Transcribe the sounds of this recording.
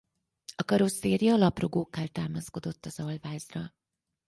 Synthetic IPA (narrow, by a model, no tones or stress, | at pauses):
ɒkɒɾo̞sːeːrjɒːlɒpro̞ɡoːkːaːlt̪aːmɒsko̞d̪o̞t̪ːɒzɒlvaːzrɒ